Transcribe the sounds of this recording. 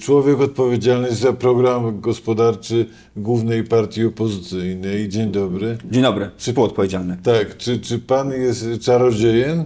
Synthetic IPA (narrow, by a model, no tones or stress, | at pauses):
t͡ʂwɔvʲjɛkɔt̪̚pɔvʲjed͡ʑalnɔɕʲzapɾɔɡɾamɡɔspɔd̪aɾt͡ʂɘ | ɡwuvnɛjpaɾt̪ʲjiɔpɔzɘt̪sɘjnɛjd͡ʑeɲd̪ɔbɾɘd͡ʑeɲ̃d̪ɔbɾɘt͡ʂɨpɔt̪̚pɔvʲjed͡ʑalnɘt̪akt͡ʂɘt͡ʂɘpanjɛst̪t͡ʂaɾɔd͡ʑejɛn